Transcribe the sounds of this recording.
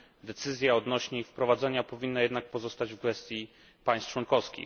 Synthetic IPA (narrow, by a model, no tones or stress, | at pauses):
d̪ɛt̪sɘzʲjaɔd̪nɔɕɲɛifpɾɔvad̪zɛɲapɔvʲinːajɛd̪nak̚pɔzɔst̪ad͡ʑvɡvɛst̪ʲji | paj̃st̪t͡ʂwɔnkɔfskʲḭ